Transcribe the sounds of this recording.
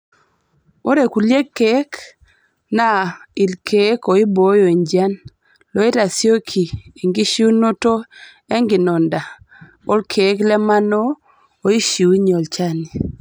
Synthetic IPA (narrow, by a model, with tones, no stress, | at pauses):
o˦ɾe˨ku˨lje˦kːe˦k | na˦i˨lkʰe˨˦ko˨i˦bo˦jo˨e˨ɲd͡ʒa˦n | lɔ˨˦e˦ta˨sjo˦kʰi˨e˨ŋɡi˦ʃu˦no˦to˦ | e˦ŋɡɪ˨nɔ˨nda˨ | o˦lkʰe˨˦klɛ˦ma˦noː˦˨ | i˦ʃi˨wɲɔ˨lt͡ʃa˦˨ni˨